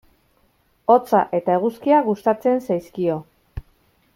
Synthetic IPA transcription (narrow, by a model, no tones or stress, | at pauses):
o̞t͡sa̰ʔe̞t̪ae̞ɣuskiaɣust̪at͡se̞nsajskio̞